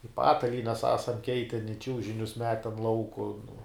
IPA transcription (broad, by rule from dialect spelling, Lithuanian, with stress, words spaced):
ɪ ˈpɑːtɐlʲiːnʲɛs ˈæːsɐm ˈkʲɛɪtʲɛn ɪ ˈt͡ʃʲuːʒʲɪnʲʊs ˈmʲæːtʲɛn ˈlˠɐʊkʊ nʊ